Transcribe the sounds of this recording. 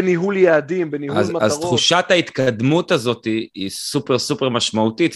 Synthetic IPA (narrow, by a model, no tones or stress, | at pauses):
niɦuljaːd̪imbeniazaztχuʃat̪hait̪kad̪mut̪azo̞t̪iisupe̞ʁsupe̞ʁmaʃmautit̪